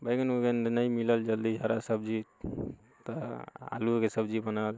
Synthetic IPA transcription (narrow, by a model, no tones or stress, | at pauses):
bəjɡənokenəjmiləld͡ʒəld̪id͡ʒʱəɾasəbd͡ʒi | t̪ɔa̰lukesəbd͡ʒibənal